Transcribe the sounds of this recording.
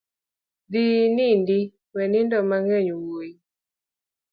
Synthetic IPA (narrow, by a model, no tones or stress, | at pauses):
d̪inindi | wɛnɪndɔmaŋɛɲuwoji